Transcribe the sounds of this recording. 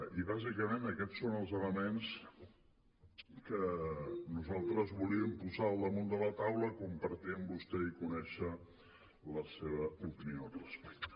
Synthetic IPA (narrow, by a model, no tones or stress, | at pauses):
iβazikəmenəkɛsonəlˠzələmens | kənuzalˠt̪ɾəzβuliəmpuzaəlˠd̪əmund̪ələt̪awləkumpəɾt̪iəmbust̪ɛikunɛʃə | ləseβəupiniorəspɛ̥k̚t̪ə̥